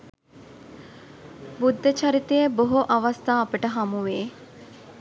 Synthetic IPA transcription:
bud̪ːət͡ʃaɾit̪əjəboɦoʔɐʋast̪aːpəʈəɦamuʋeː

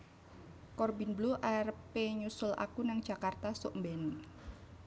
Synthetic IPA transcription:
kɔrbinbluʔarpeɲusʊla̰kunaŋ̥ʒ̥a̤kart̪asʊʔmbɛni

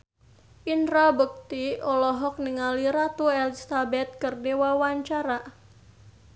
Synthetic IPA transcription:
ʔint̪ɾabuk̚t̪iɔlɔɦɔk̚niŋaliɾat̪uɛlisabɛt̪̚kərdewawaɲt͡ʃaɾa

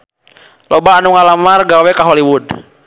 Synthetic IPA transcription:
lɔbaːnuŋalamarɡawɛkaɦɔliwud

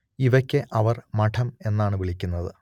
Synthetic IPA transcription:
iʋɐkʲːɨʔɐʋɐrmɐʈʰɐme̞nːaːɳɨʋiɭikʲːunːɐðɨ

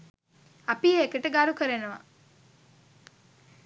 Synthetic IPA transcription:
ɐpieekəʈəɡaɾukəɾenuʋɐ

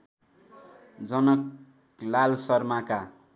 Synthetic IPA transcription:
d͡zʌnʌk̚ | lalsʌrmaka

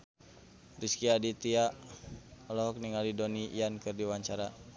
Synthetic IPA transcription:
riskiadit̪ia | lɔɦɔk̚niŋalidoniḭankɨrdiwaɲt͡ʃaɾa

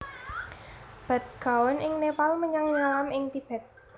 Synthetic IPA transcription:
b̥a̤t̪̚ɡ̥a̤wɔnʔɪŋnepalməɲaŋɲalamɪŋt̪ib̥ɛ̤t̪̚

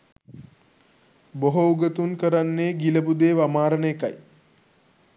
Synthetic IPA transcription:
boɦouɡət̪unkəɾanːeːɡiləpud̪eːʋamaːɾəɳeka̰j

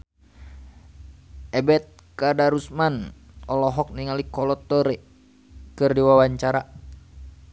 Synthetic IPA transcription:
ʔɛbɛt̪̚ | kadaɾusmanɔlɔɦɔk̚niŋalikɔlɔt̪ːɔɾɛ | kɨrdiwawaɲt͡ʃaɾa

